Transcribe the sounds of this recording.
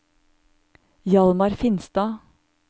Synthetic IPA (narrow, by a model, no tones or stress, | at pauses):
jɑlmɑɾfɪnst̪ɑː